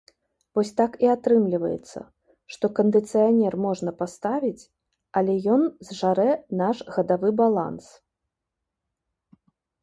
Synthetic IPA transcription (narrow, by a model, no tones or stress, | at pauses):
vɔsʲt̪akiat̪ɾɨmlʲivɐ̰jɛ̰t̪sːɐ̰ | ʂt̪ɔkɐnd̪ɨt̪sɨjanʲɛrmɔʐnɐpast̪avʲit͡sʲ | ɐlʲɛjɔnzʐaɾɛnaʂɣɐd̪avɨbalˠa̰ns